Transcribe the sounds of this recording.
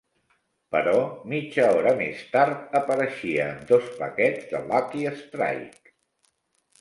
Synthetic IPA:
pəɾɔmid͡ʒəɔɾəmḛst̪aɾt̪əpəɾəʃiəːmd̪ospə̰kɛd͡zðə̰lakiəst̪ɾa̰jk

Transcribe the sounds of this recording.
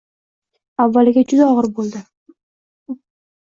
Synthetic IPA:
avːalɪɡʲed͡ʒyzɒʁɯɾbolˠd̪ɪ

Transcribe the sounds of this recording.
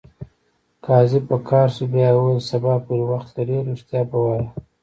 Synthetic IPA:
kɑzɪb̚pəkʰɑːɾsubjɑwosabɑpuɾwaxt̪laɖeɾuʂt̪jɑbawaja

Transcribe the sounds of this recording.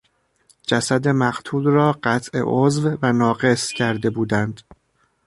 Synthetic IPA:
d͡ʒæsæd̪e̞mæɡ̥t̪ʰuːlrɒːɢæt̪ʰʔe̞̰ʔozvvænɒːɢe̞scʰæɾd̪e̞buːd̪ænd̪̥

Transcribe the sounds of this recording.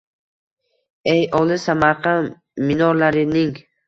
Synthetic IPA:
ejɒlˠɪsamaɾqʰɑn | mɪnɒɾlaɾɪnɪŋ

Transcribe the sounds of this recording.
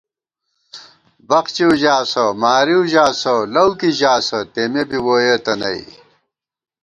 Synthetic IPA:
bɐqt͡ɕiuʑaːsɐmaːɾiuʑaːsɐlɐwkiʑaːsɐt̪emebiwoːjet̪ɐnɐ̰ḭ

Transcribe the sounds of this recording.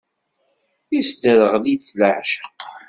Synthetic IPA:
isd̪əɾəʁðit͡sːləʕʃə̥q

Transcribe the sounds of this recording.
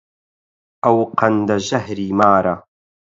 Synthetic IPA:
ʔɐwqʰɐnd̪ɐʒɐhɾiːmaːɾɐ

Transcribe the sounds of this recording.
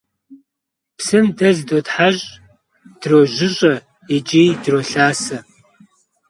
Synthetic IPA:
psɨmdɐzdotħaʑʼ | d̥roːʒʷɪɕʼɐ | id͡ʒʼiːdroɬaːsɐ

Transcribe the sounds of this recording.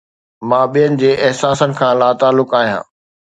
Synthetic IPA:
mãːɓijənɪ̆d͡ʑeːʔɛɦsaːsənɪ̆kʰãːlaːt̪aːlːʊkaːɦijã̰ː

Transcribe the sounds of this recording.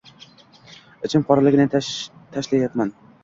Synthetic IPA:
ɪt͡ʃʰɪmpɒɾalɪɡʲɪnɪt̪ʰaʃlajat̪man

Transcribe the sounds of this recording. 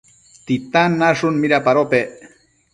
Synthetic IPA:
t̪it̪anːaʂʊnmiɾapaɾope

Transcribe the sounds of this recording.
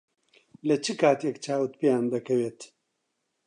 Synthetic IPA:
lɐt͡ʃʰɨkʰaːt̪jɛkt͡ʃʰaːwɨt̪̚pejaːnd̪ɐkʰɐweːt̪

